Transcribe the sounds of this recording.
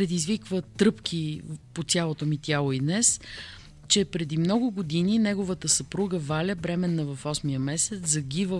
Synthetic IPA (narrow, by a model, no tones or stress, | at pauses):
pɾɛd̪izvikvət̪ɾɤpkʰʲipotsʲjalˠot̪omit̪ʲjalˠoid̪nɛs | t͡ʃɛpɾɛd̪imnɔɡʊɡod̪ininɛɡovət̪əsɐpɾuɡəvalʲəbɾɛmɛnːɐvɐfɔsmijəmɛsɛt̪szɐɡʲivə